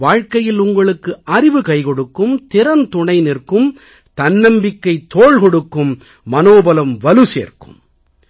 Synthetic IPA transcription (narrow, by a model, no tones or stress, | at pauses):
ʋaːɻkɐjɪlʊŋɡɐɭɯkːɯʔɐɾɪʋɯkɐɪkɔɽɯkːɯmt̪ɪɾɐnt̪ʊɳɐɪnɪrkɯm | t̪ɐnːɐmbɪkːɐɪt̪ːoːɭkɔɽɯkːɯmː | ɐnoːbɐlɐmʋɐlɯsḛːrkɯm